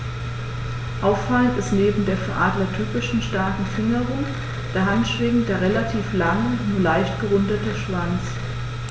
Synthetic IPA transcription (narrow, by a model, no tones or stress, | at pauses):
ʔaʊfːaləntɪstneːbm̩deːɐfɛɐʔaːdlɐtʰyːpɪʃn̩ʃtaɐkŋ̩fɪŋəʁʊŋ | d̥eɐɦantʃv̥eːɡŋ̩d̥eːɐʁelatʰiːflaŋənuːɐlaɪçtɡ̥əʁʊndɐtəʃv̥ant͡s